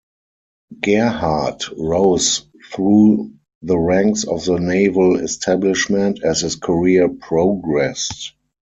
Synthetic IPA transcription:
ɡ̥ɛhatɹoʊz | θɹuː | ðəɹæ̃ŋksɔfðəneɪvəlɛstʰæblɪʃmɛ̃ntʰɛshɪskʰəɹiəpʰɹoʊɡɹɛst

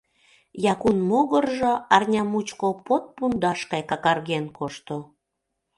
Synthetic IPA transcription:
jɑkunmoɣərʒoɑrnʲɑmut͡ɕkopot̪̚pund̪ɑʃkɑjkɑkɑrɣenkoʃt̪o

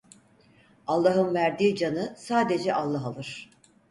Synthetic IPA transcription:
alˠːaɦɯnvæɾd̪iːd͡ʒanɯsaːd̪e̞d͡ʒɛʔalˠːaɦalˠɯɾ̥

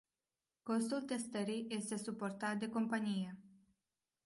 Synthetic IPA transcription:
ko̞st̪ult̪e̞st̪əɾijje̞st̪e̞supo̞rt̪at̪̚d̪e̞ko̞mpanije̞

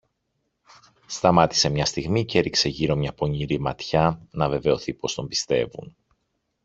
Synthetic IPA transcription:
st̪ɐmɐt̪i̥se̞mɲɐst̪iɣmice̞ɾikse̞ʝiɾo̞mɲɐpo̞ɲiɾimɐ̰t̪çɐnɐve̞ve̞o̞θipo̞st̪o̞mbist̪e̞̰vṵn

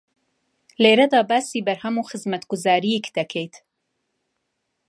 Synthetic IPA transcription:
leːɾɐd̪ɑːbæːsiːbɐɾhɐmuːxɨzmɐt̪ɡʊzɑːɾiikd̪̥ɐkʰejt̪

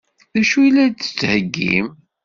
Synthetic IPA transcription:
ðæʃujilːæt͡sə̥t͡sːhəɡːḭm

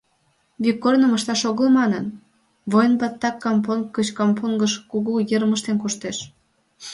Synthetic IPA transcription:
vikːornəmə̆ʃt̪ɑʃoɣəlmɑnən | βojnbɑt̪ːɑkːɑmponkət͡ɕkɑmponɡəʃkuɣujəɾməʃt̪enkuʃt̪eʃ

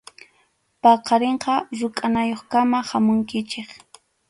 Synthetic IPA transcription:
pɑqɑɾeɴqɑɾʊkʼanajoχkamahamʊŋkɪt͡ʃeχ

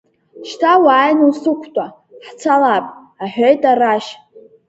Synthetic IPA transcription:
ʃtʰawaːjnusɨkʷʰtʼa | ħt͡sʰalapʼ | aħᶣejtʼaraʃ

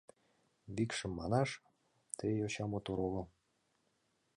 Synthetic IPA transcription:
βikʃə̆mːɑnɑʃ | t̪ejoɕɑmot̪oɾolŏ

